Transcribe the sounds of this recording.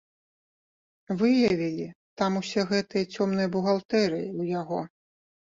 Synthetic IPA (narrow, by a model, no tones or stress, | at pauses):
vɨjɐvʲilʲit̪amusʲɛɣɛt̪ɨjɐt͡sʲɔmnɨjɐbuɣalˠt̪ɛɾɨujaɣɔ